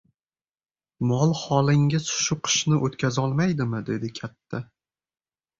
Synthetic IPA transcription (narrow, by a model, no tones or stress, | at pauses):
mɒlˠχɒlˠɪŋʲɪsʃʊqʰɨ̥ʃnɪʔot̪kʲazɒlˠmajd̪ɪmɪd̪e̞d̪ɪkʲʰat̪ʰːa